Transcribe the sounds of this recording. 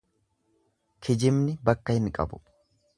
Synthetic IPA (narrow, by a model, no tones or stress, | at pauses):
kʰɪd͡ʒɪmnɪbɐkːɐhɪnkʼɐ̰bʊ̥